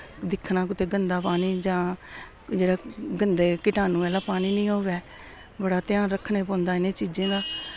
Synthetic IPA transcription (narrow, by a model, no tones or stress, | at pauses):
d̪ɪkʰnãːk̬ʊt̪eːɡənd̪aːpaːniːd͡ʒãː | d͡ʒeːɽaːɡənd̪eːkɪʈaːnũːɛːlaːpaːniːnĩːɦoːʋɛː | bəɽaːt̪ɪjaːnɾəkʰːneːpõːnd̪aːɪnẽːt͡ʃiːd͡ʒẽːd̪aː